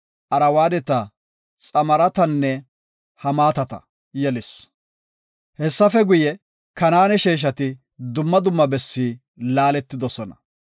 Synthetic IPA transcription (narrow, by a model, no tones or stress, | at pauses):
ʔɐɾɐwaːd̪ɛt̪ɐ | t͡sʼɐmɐɾɐt̪ɐnːɛ | hɐmaːt̪ɐt̪ɐ̰ | jɛlɪs | hɛsːɐfɛɡʊjɛ | kɐnaːnɛʃeːʃ̬ɐt̪ɪ | d̪ʊmːɐd̪ʊmːɐbɛsːiː | laːlɛt̪ːɪd̪ɔsɔnɐ̰